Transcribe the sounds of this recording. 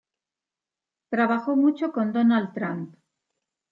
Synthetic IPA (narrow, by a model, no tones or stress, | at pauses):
t̪ɾaβaxo̞mut͡ʃoko̞nd̪onald̪t̪ɾamp